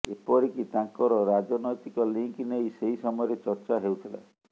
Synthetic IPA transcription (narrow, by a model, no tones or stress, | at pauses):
epɔɾikit̪ãŋkɔɾɔɾad͡ʒɔnɔjt̪ikɔliŋknejseɦisɔmɔjɔɾet͡ʃɔɾt͡ʃaɦewt̪ʰila̰